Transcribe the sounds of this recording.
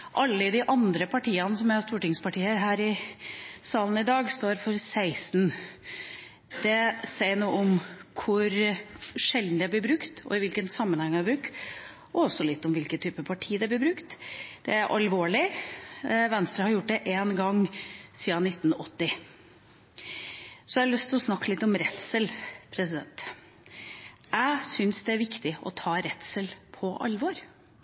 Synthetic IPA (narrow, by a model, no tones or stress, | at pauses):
ʔɑlːəɪd̪ɪʔɑnd̪ɾəpʰɑʈʰiːɑnəsɔmæst̪uːʈɪŋspɑʈiːəɾɦæːɾɪ | sɑːln̩ɪd̪ɑːɡst̪oːɾfɔɾsæɪsn̩ | d̪̥ɛsæɪnuːəɔmkʰʊɾʂɛld̪n̩d̪ɛblɪbɾʉkt̪ɔ̰ɪʋɪlkənsɑmːənhɛŋːæbɾʉkt̪ | ɔɔsːɔlɪt̪ːɔmʋɪlkət̪ʰyːpəpʰɑʈʰiːd̪ɛblɪbɾʉkt̪d̪̥ɛæɾʔɑlʋoːɭɪ | ʋɛnst̪ɾəhɑɾjʊʈ̚ːd̪ɛʔeːnɡɑŋːsiːɑnɪt̪ːn̩ɔt̪ːɪ | sɔæɾlœst̪ʰɪlɔsnɑkːəlɪt̪ːɔmɾɛt̪səlpʰɾɛsɪd̪ɛ̰nt̪ | æɪsʏnsd̪ɛæɾʋɪkt̪ɪɔ̰t̪ʰɑːɾɛt̪səlpʰɔʔɑ̰lʋɔɾ